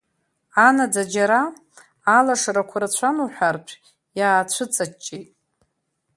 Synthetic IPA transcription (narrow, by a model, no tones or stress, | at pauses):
anad͡zad͡ʒaɾaː | laʂaɾakʷʰaɾat͡ɕʷʰanuħʷᶣarpʷʰ | jaːt͡ɕʷʰɨt͡sʼat͡ʃʼːejtʼ